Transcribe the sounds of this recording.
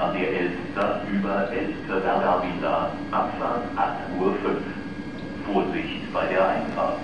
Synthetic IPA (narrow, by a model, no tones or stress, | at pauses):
adeːɐʔɛlfstɐʔyːbɐʔɛlftʰəɡadabila̰ː | ʔapsaːtʔaχtʔuːɐfʏnf | foːɐzɪçtb̥aɪdeːɐʔaɪnfa̰ːt